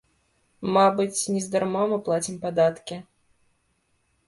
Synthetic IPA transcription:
mabɨt͡sʲnʲɛzd̪armɔmɨplˠat͡sʲimpad̪at̪kʲi

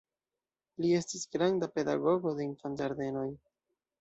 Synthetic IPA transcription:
lie̞stisɡɾandape̞da̰ɡo̞ɡo̞de̞infand͡ʒaɾd̪e̞no̞j

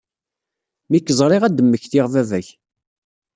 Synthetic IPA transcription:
mikːəzˤɾˤiʁæd̪əmːəçθiʁvævæç

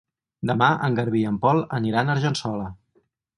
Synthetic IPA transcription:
d̪əmaʔə̰ŋɡəɾβiəmpɔlˠəniɾanəɾʒənsɔlə

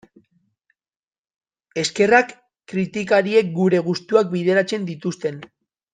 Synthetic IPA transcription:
e̞ske̞rakː | ɾit̪ikaɾie̞k̚ɡuɾe̞ɣ̞ust̪uak̚bið̞e̞ɾat͡se̞nd̪it̪ust̪e̞n

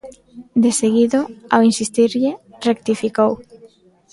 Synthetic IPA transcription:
d̪eseɣiðʊawinsist̪iɾʎɪrek̚t̪ifikow

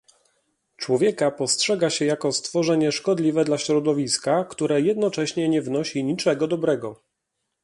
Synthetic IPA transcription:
t͡ʂwɔvʲjɛkapɔstʂɛɡaɕɛjakɔst̪fɔʐɛɲɛʂkɔd̪lʲivɛd̪laɕɾɔd̪ɔvʲiskakt̪uɾɛjɛd̪nɔt͡ʂɛɕɲɛɲɛvnɔɕiɲit͡ʂɛɡɔd̪ɔbɾɛɡɔ

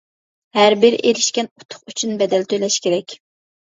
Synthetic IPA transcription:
hæɾbɪɾʔeɾɪʃkʲɛnu̥t̪ʰʊ̥χyt͡ʃʰynbɛd̪ɛlt̪ʰølɛʃkʲeɾɛkʲ

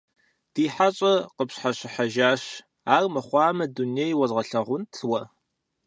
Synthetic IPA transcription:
d̥iːħaɕʼɐqəpɕħaɕɪħaʒaːɕ | aːrmɐχʷɑːmɐduniejwɐzʁɐɬɐʁʷʊntʰwɐ

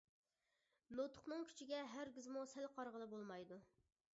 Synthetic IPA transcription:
not̪ʰʊ̥χnɨŋkʲʰy̥t͡ʃʰiɡʲɛɦæɾɡʲizmusælqʰɑɾʁəlˠɨbolˠmɑjd̪u

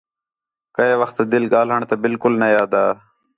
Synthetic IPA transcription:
kəeːʋəxt̪d̪ɪlɡaːlɦəɳt̪ɐbɪlkʊlnɐjaːd̪aː

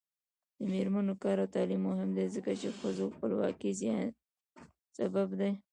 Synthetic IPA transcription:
d̪əmeɾmanokɑɾawt̪ɑlimːʊɦɪmd̪ezəkat͡ʃexəzoxpəlwɑ̰kizjɑ | sababd̪e

